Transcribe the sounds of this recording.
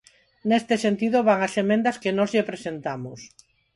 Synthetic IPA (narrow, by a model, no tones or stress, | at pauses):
nest̪esent̪iðoβaŋasemẽnd̪ɐskenɔzʎepɾesent̪amʊs